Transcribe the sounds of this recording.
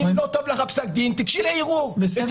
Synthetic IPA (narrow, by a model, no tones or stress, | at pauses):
lot̪ovleχapsak̚d̪int̪ikʃileiʁuʁ